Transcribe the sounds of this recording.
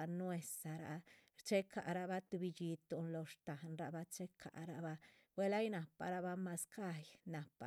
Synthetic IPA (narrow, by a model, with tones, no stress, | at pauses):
a˧nwe˧sa˨ɾa̰˨t͡ʃe˦kʰa̰˨ɾa˧ba˧˦t̪u˧bi˧d͡ʒi˧t̪u˨nlo˧ʂt̪a˨nɾa˧ba˦t͡ʃe˦kʰa̰˨ʔɾa̰˧ba˧ | wʷe˦la˦jna˨pa̰˨ɾa˧˦ba˧ma˧ska˦jna˨pa̰˨